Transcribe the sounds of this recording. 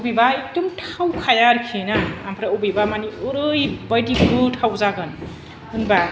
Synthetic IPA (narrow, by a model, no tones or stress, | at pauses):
ubibaik̚dumtʰawkʰajaɾkʰinaːmpʰɾaubibamaniɯɾɯjbʌjdiɡɾutʰawzaɡɯn | ɯnba